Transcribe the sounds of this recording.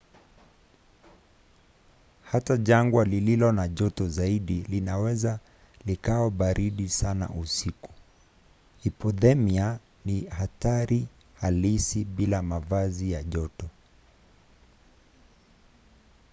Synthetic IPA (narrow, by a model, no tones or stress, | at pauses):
hataʄaŋɡwalililɔnaʄɔtɔzaiɗilinawɛza | likaɔɓaɾʔiɗisana̰ʔusiku̥ | ipɔðɛmia | nihataɾi | halisiɓilamavazijaʄɔtɔ